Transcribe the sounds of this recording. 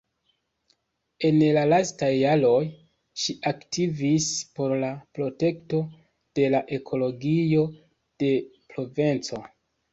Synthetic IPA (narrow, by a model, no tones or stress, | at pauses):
e̞nlalastajːaɾo̞j | ʃiʔaktʰivispo̞ɾlapɾo̞te̞kto̞ | d̥e̞laʔe̞kʰo̞lo̞ɡijo̞ | d̥e̞pɾo̞vent͡so̞